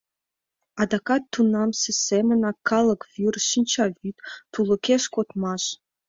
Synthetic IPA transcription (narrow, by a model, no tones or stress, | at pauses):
ɑd̪ɑkɑt̪ʰːunɑmsisemənɑkʰɑlˠɤkvyrʃinʲt͡ɕɑvyt̪t̪ːulˠə̆kʲeʂkot̪mɑʃ